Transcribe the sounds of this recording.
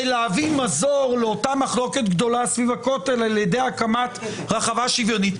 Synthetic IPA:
leavimazoʁleo̞tamaχlo̞ke̞tɡd̪o̞lasvivako̞telaljede̞jakamat | ʁaχavaʃivjo̞nit

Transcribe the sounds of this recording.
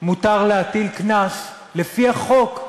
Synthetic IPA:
mut̪aʁlehat̪ilknas | le̞fiaχo̞k

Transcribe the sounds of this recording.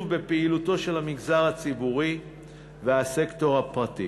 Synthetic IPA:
vbe̞peiluto̞ʃe̞lhamiɡzaʁhat͡sibuʁi | vehase̞kto̞ʁhapʁatḭ

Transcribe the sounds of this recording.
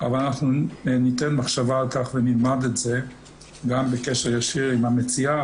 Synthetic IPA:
a̰valanaχnunitɛnmaχʃavaːlkaχvenilmadɛtz̥e | ɡambekɛʃəʁjaʃiʁimamet͡sia

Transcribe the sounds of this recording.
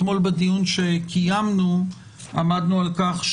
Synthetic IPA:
mo̞lbed̪ijunʃekʰijamnu | ʔamad̪nualkaχʃ

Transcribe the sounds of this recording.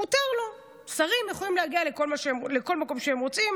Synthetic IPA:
utaʁlo | saʁimjeχolimleaɡialekolmaʃeleko̞lmako̞mʃeemʁo̞t͡sim

